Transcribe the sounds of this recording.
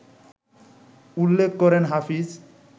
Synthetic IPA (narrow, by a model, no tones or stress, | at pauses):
ulːekʰkɔɾenɦafiz